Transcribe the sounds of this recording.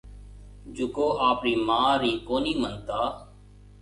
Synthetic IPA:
d͡ʒʊkoːʔaːpɾiːmãːɾiːkoːniːmənt̪aː

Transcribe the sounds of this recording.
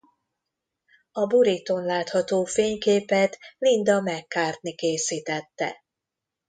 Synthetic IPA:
ɒbuɾit̪o̞nlaːt̪hɒt̪oːfeːɲkeːpɛt̪lind̪ɒmɛkːaːrt̪nikeːsiːt̪ɛt̪ːɛ̰

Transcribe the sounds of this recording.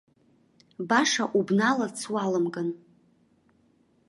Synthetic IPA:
baʂaʔubnalat͡sʰwalamɡʼan

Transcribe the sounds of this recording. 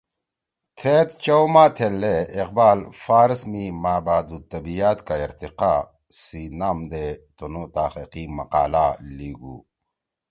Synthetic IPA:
t̪ʰeːt̪t͡ɕowmaːt̪ʰelːeːqbaːlfaːɾsmimaːbaːd̪ut̪ɐbijaːt̪kaiɾt̪iqaː | sinaːmd̪et̪onot̪aːxiqimɐ̰qa̰ːlaliːɡṵː

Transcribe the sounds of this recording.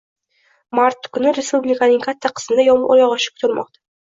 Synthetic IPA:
maɾt̪kʰʲɵnɪɾʲespublʲɪkanɪŋkʰat̪ːaqʰə̥sənd̪ajɒmʔoɾɑʁɑʃɪ̥kʰʲʊ̥t̪ʰɪɾmʔɒ̰qt̪ʰḁ

